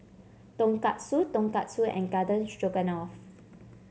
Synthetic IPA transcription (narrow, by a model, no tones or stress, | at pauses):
t̪õŋkat̚sut̪õŋkat̚suɛ̰̃nɡadə̃nst͡ʃoɡə̃nɔf